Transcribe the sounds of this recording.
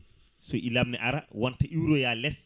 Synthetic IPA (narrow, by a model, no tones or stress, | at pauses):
sɔʔilabnɛʔaɾawɔntaʔiwɾɔjalɛs